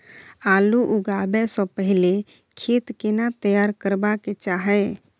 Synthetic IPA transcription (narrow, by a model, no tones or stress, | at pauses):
aluʔuɡabɛsɔ̃pəɦile | kʰet̪kenat̪əjaɾkəɾbaket͡ʃaɦɛ